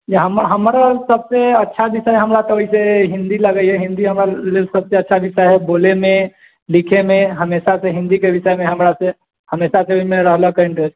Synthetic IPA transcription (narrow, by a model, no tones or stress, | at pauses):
jaɦəmaɦəmɾasəbseɐtːʃʰabɪsəɛɦəmɾat̪ooɦiseɦɪ̃nd̪iləɡəiɦɛɦɪ̃nd̪iɦəmɾalɪsɐb̚seɐtːʃʰabɪʃəɦɛboːlemẽ | lɪkʰemẽɦəmeːʃaseɦɪ̃nd̪ikeʋɪsəjmẽɦɐmɾase | həmeːʃaseoimẽɾəɦləkeɪ̃ɳʈɾes